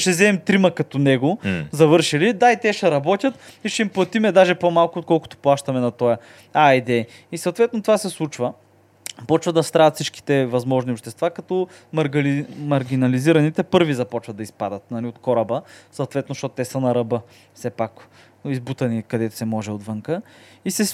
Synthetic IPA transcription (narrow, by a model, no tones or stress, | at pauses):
ʃɛzɛɛmt̪ɾimɐkɐt̪ɔnɛɡʊzɐvɤɾʃilid̪ait̪ɛʃɛɾɐbɔt̪ʲɐt̪iʃɛimplˠɐt̪imɛd̪aʒɛpomalˠkʊot̪kɔlˠkʊ̥t̪o̥plˠaʃt̪ɐmɛnɐt̪ɔjɐ | aid̪ɛ | isɐwt̪vɛt̪not̪ovasɛslˠut͡ʃvɐ | pɔt͡ʃvɐd̪ɐst̪ɾavɐt̪fsit͡ʃk̟i̥t̪ɛvɐzmɔʒniopʃt̪ɛst̪vakɐt̪ɔ | mɐɾɡlmɐɾɡʲinɐliziɾɐnit̪ɛpɤɾvizɐpɔt͡ʃvɐd̪d̪ɐispad̪ɐt̪̚nɐliot̪kɔɾɐbəsɐt̪vɛt̪noʃt̪ɔt̪t̪ɛsənɐɾɐbɤ | fsɛpak | izbut̪ɐnikɐd̪ɛt̪ʊ̥sɛmɔʒɛod̪vɤŋkəisɛ